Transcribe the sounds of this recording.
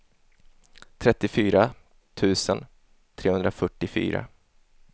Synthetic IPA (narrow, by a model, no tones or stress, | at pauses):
t̪ʰɾɛt̪ːɪfyːɾa | t̪ʰʉ̟ːsən | t̪ʰɾeːhɵnd̪ɾafœʈːɪfy̰ːɾa̰